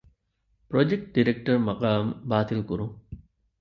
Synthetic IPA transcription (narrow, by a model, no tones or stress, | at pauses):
pɾod͡ʒek̚ʈ̚ɖiɾek̚ʈɐrmɐqaːmbaːt̪ilkuɾuŋ